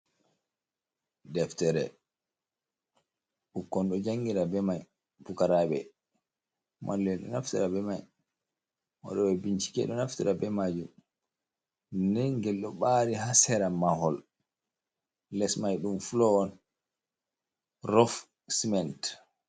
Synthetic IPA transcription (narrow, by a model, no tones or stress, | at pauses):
dɛftɛɾɛ̰ | ʔukːɔnɗɔd͡ʒaŋɡiɾabɛmaj | pukaɾaɓɛ̰ | mʔa̰lːɛnɗɔ̰naftiɾabɛmaj | wa̰ɗɔbɛbiɲt͡ʃi̥kɛ̰ɗɔnaftiɾabɛmad͡ʒum | nɛŋɡɛlɗɔɓaɾiɦasɛɾamahɔl | lɛsmajɗumfulɔɔn | rɔf | simɛnt